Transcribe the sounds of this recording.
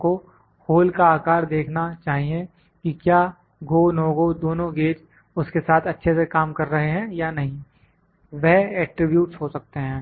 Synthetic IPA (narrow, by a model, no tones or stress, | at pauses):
ko | hoːlkaaːkaːɾd̪eːkʰnat͡ʃaːɦiẽ | kikjaː | ɡoːnoːɡod̪oːnõɡeːd͡ʒ | ʊskesaːt̪ʰɐtːʃʰesekaːmkɐɾːɐɦeɦɛ̃janɐɦĩ | ʋɛɦɛːʈɾɪbjuːʈsɦosɐk̚t̪eɦɛ̃ː